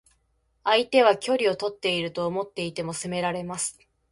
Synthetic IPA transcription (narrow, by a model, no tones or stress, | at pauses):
ait̪e̞β̞akʲo̞ɾʲio̞t̪o̞t̪ːe̞iɾɯ̟t̪o̞ːmo̞t̪ːe̞it̪e̞mo̞sɨme̞ɾaɾe̞masɨ̥